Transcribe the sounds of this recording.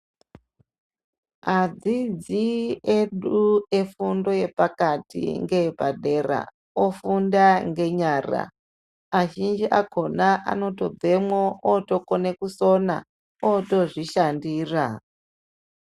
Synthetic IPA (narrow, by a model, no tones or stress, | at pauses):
ad͡zid͡zieɗue̞fundo̞je̞pakatḭŋɡe̞paɗe̞ra̰ | ofundaŋɡe̞ɲaːra̰ | aʒind͡ʒiʔaɡʱo̞naʔa̰no̞to̞b͡vʱe̞mwootokone̞kuso̞na̰ | oto̞ʐiʃandiːra